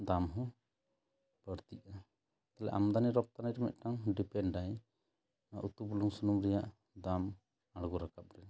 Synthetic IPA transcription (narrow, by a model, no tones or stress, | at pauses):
d̪amɦɔ̃ | b̥əɾt̪iʔa | t̪alɛ̰ʔa̰md̪aniɾɔp̚t̪anajɾɛmɛ̰t̪̚ˀʈaŋɖipɛnɖaj | aʔut̪ubuluŋsunumɾɛjaʔ | d̪am | aɽɡɔɾakap̚ɾɛ